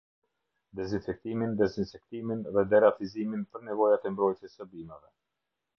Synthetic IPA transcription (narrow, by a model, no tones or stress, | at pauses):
d̪ɛzinfɛk̚t̪imind̪ɛzinfɛk̚t̪iminðɛd̪ɛɾafiziminpəɾnɛvɔjat̪ɛmbɾɔjt̪jɛsəbimɛvɛ